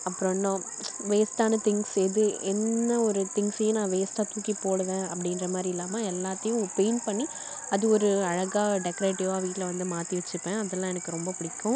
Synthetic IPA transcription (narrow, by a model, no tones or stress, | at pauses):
ɐpːɯɾɔ̃nːõ | ʋeːsʈaːnɐt̪ɪŋsɛðɯɛnːɐɔɾɯt̪ɪŋɡsɛjɐnãːʋeːsʈaːt̪uːkipoːɽɐʋẽːɐpːɐɽɪndɾɐmaːd̪ɾiɪlːaːmaɛlːaːt̪ːɐjʊ̃peːnpɐɳːi | ɐðɯɔɾɯɐɻɐɣaːɖɛkːɔɾeːʈɪʋaːʋiːʈɪlɐʋɐnd̪ɯmaːt̪iʋɛt͡ʃːɯpːẽːɐðɛlːãːɛnɐkːɯɾɔmbɐpʊɽɪkːʊ̃